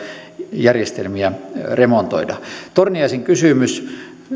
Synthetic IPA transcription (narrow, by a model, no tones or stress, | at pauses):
jærjest̪elmiæremont̪o̰idɑt̪orniɑiseŋkysyˑmys